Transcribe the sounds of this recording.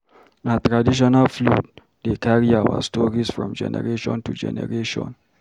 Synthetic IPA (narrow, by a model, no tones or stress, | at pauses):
natɹadiʃ̬ɔnalflut̚ | dekaɹiawa̰stɔɹisfɹɔ̰̃md͡ʒɛ̰nɛ̰ɹeʃɔ̰̃ntud͡ʒɛ̰nɛ̰ɹeʃɔ̰̃n